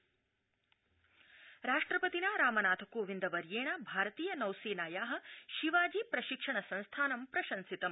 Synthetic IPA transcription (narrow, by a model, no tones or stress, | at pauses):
ɾaːʂʈɾɐpɐt̪inaɾaːmɐnaːt̪ʰɐkoːʋind̪ɐʋɐɾjeːɳɐbʱaːɾɐt̪iːjɐnɐwseːnaːjaːɦɐ̆ʃiʋaːd͡ʒiːpɾɐʃikʂɐɳɐsɐ̃nst̪ʰaːnɐmpɾɐʃɐnsit̪ɐm